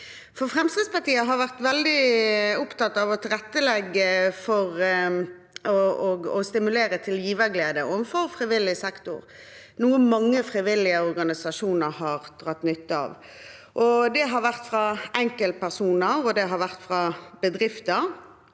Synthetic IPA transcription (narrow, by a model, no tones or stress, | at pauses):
fɔʁfʁɛmst̪ʁɪdspɑt̪iːəɦɑɾʋæʁt̪ʋɛld̪ɪʊpt̪ɑt̪ːɑʋɔt̪ʰɪlʁɛt̪ːəlɛɡːəfɔʁ | ɔɔɡɔst̪ɪmʉleːɾət̪ʰɪljiːʋəɾɡleːd̪əʔɔmfɔʁfɾɪʋɪlɪsɛkt̪ʊ̰ʁ | nuːənmɑŋːəfʁɪʋɪlɪəɔɾɡɑnɪsɑʃuːnəɾɦɑʁd̪̥ʁɑt̪ːnʏt̪ːəɑ̰ːʋ | ʔɔd̪ɛɦɑɾʋæʁt̪fʁɑɛŋkəlt̪̚pʰæʁsuːnəʁɔd̪ɛɦɑɾʋæʁt̪fʁɑbəd̪ʁɪft̪əʁ